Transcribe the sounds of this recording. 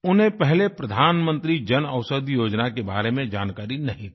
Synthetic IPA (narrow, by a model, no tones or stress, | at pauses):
ʊnɦẽpɛɦlepɾɐd̪ʱaːnmə̃nt̪ɾid͡ʒɐnɐʋʃəd̪ʱjoːd͡ʒnakebaːɾemẽd͡ʒaːnkaːɾinɐɦĩt̪ː